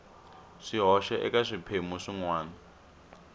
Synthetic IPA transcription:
ʂiɦɔʃɛʔɛ̰kaʂipʰemuʂiŋwaːna

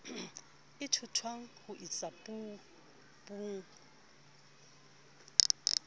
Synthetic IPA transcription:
ɪtʰʊtʰwaŋ̩hʊʔit͡sʼapʼu | buŋ̩

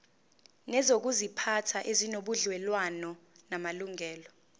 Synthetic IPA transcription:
nɛzok̬uzipʰatʰaʔezinoɓuɮwɛlwanɔnamaluŋɛːlɔ

